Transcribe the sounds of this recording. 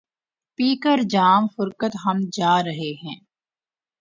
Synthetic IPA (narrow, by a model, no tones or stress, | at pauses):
piːkəɾd͡ʒaːmfʊɾkət̪ɦɐmd͡ʒaːɾɐɦeɦɛ̃ː